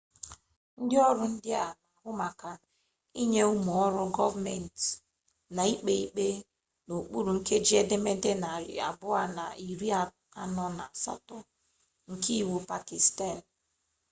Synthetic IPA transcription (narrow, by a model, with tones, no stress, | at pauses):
n̩˦dɪ˦ɔ˦ɾʊ˦n̩˦dɪ˦a˨la˨hʊ˦ma˨ka˨ | i˦ɲe˦u˦mu˨ɔ˦ɾʊ˦ɡɔ˦va˦me˨n˨t | na˨i˦k͡pe˦i˦k͡pe˦ | no˨k͡pu˦ɾu˨ŋ̩˦ke˦d͡ʒi˦e˦de˦me˦de˦na˨ɾɪ̰˨a̰˨bʊ˦a˦na̰˨i˨ɾi˦a˨ | a˦nɔ˦na˨sa̰˦tɔ˦ | ŋ̩˨ki˦˨wu˨pa˨ki˨sta˦˨n˨